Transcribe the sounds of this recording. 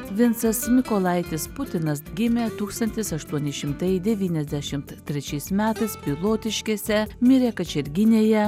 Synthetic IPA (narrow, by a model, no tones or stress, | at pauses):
ʋʲɪnt̪sɐsmʲɪkɔlˠɐɪt̪ʲɪspʊt̪ʲɪnɐsɡʲɪmʲeːt̪uːkst̪ɐnʲt̪ʲɪsɐʃt̪uɔnʲɪʃʲɪmt̪ɐɪd̪ʲɛʋʲiːnʲɛzʲd̪ʲæʃʲɪmt̪t̪ʲːɾʲɛt͡ʃʲɛɪsmʲæːt̪ɐɪspʲɪlˠoːt̪ʲɪʃʲkʲiːsʲɛmʲɪɾʲeːkɐt͡ʃʲɛɾʲɡʲɪnʲeːjɛ